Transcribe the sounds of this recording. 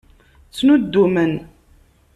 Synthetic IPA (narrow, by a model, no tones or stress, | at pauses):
t͡sːnud̪ːumən